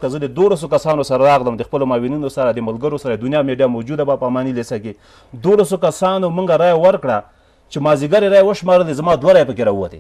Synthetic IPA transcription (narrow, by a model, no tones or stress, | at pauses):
kəzəd̪əd̪olas̬okasɑnosaɾaɾɑɣləmd̪əxpəlomɑwininosaɾad̪əmalɡəɾosaɾad̪ʊnjɑmeɖijamowd͡ʒud̪abapamɑnilesake | d̪olas̬okasɑnomuŋɡaɾɑjawəɾkɽa | t͡ʃemɑziɡaɾeɾɑjewəʃmɑɾəlezamɑd̪waɾɑjepəkeɾɑuwa̰t̪ḛ